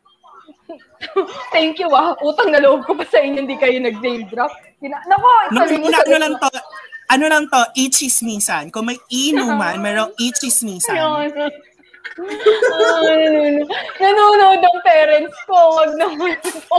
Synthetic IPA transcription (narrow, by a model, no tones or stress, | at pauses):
t̪ɛŋkjuɐʔuːt̪ɐŋnɐloʔob̚kopɐsɐʔɪɲːond̪ikɐjonɐɡ̚nejmd̪ɾap̚ | ɪnanɐʔonʊanɐɐnolɐŋt̪oʔɐnolɐŋt̪o̞ʔit͡ʃɪsminsɐnkʊŋmɐjiːnoŋmɐnmɛːɾoŋʔit͡ʃɪsminsɐ | nnunnɐnunoʔod̪̚nɐŋpɛːɾɛnt̪skowɐɡ̚nɐunk